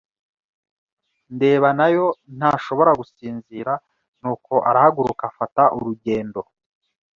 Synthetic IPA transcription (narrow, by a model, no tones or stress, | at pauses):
nde̞ːβanajo̞n̥haʃo̞βo̞ɾaɡusiːnziːɾa | n̥uːkʰo̞ʔaɾahaɡuɾukafataʔuɾuɟe̞ːndo̞